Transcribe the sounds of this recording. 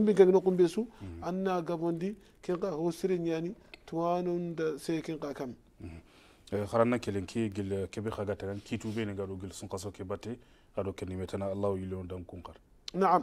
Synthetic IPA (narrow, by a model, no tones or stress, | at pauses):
umbiŋkaninokumbesuanːaɡabondi | kiŋkahosiɾeɲanituwanondasekiŋkakam | xaɾanːakeleŋkʰiɡilkebexaɡatːaɡankʰitubeniŋɡadoɡilsuŋkas̬okebate | adokenimetanaːlːawjiloondamkuŋkaɾ | naam